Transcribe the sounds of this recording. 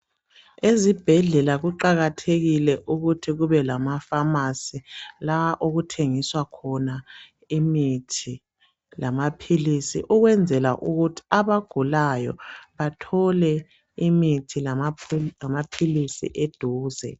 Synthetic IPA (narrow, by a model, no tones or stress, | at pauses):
ezib̥ʱɛɮɛlaɣuǃaɣatʰeɣilɛʔuɣutʰiɣuβɛlamafamasilaʔoɣutʰeŋiswakʰɔna | imitʰi | lamapʰilisḭʔuɣwɛnd͡zʱɛla̰ʔuɣutʰi̥aβaɡ̥ʱulajɔ̰βatʰɔlɛ | imitʰil | amapʰilisḭʔed̥ʱuːzɛ̰